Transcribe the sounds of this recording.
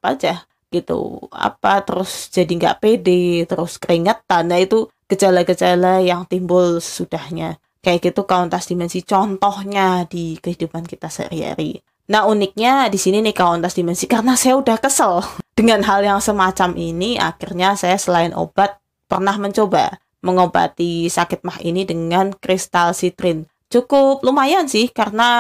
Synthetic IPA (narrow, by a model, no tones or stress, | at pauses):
pa̰d͡ʒa | ɡ̥it̪ṵa̰pat̪əɾʊsd͡ʒadiŋɡa̰ʔpedet̪əɾʊskəɾiŋət̪̚ːanːait̪ukəd͡ʒalaɡəd͡ʒalajaŋt̪imbʊlsə̥sudahɲa | kajaʔɡit̪ukaɔnt̪asdimɛnsit͡ʃɔnt̪ɔhɲadikəhidupankit̪asa̰ɾia̰ɾḭ | nahunɪk̚ɲadisininɪhkawɔnt̪asdimɛnsikaɾənasajaudahkəsəld̥əŋanɦaljaŋsəmat͡ʃamʔinia̰kɪrɲasajasəlaɪnʔo̰b̥at̪̚ | pərnahməɲt͡ʃoba̰ | məŋoba̰t̪isakɪt̪̚mahḭnidəŋankɾɪst̪alsit̪ɾɪn | t͡ʃukʊp̚lumajansɪhkaɾəna